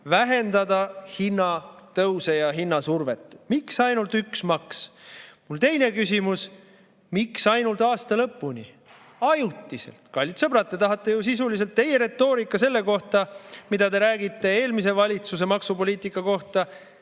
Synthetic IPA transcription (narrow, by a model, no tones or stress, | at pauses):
væɦe̞nd̪ɑd̪ɑhinːɑt̪ɤwse̞jɑɦinːɑsurve̞t̪ːˑmiksɑjnult̪yksmɑksmult̪e̞jne̞kysʲimus | miksɑjnult̪ɑːst̪ɑlɤpːˑunʲi | ɑjut̪ˑːise̞̰lt̪kɑlʲːit̪sɤb̥ɾɑt̪ːˑe̞t̪ɑɦɑt̪ːˑejusisulis̬elt̪ːe̞je̞ɾe̞t̪ːo̞ːɾikːˑɑse̞lːe̞ko̞ht̪ɑmid̪ɑd̪e̞ɾæːɡit̪ˑːe̞e̞ːlmise̞vɑlʲit̪suse̞mɑksupo̞liːt̪ˑikːˑɑko̞ht̪ɑ